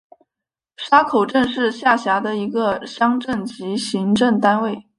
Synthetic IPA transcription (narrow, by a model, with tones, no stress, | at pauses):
ʂa˥kʰo˨˩ʊʈ͡ʂə˥˧nʂɻ̩˥˧ɕja˥˩ɕja˧˥d̪ə˧i˧˥ɡə˧ɕjɑ˥ŋʈ͡ʂə˥˩nt͡ɕi˧˥ɕi˧˥ŋʈ͡ʂə˥˩ŋt̪a˥nwe˥˩ɪ